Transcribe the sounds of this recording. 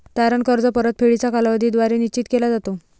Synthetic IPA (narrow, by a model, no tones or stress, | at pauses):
t̪aɾəɳkəɾd͡zəpəɾət̪̚pʰeɭit͡sakalaʋəd̪ʱid̪ʋaɾenit͡ɕiːt̪kelad͡zat̪o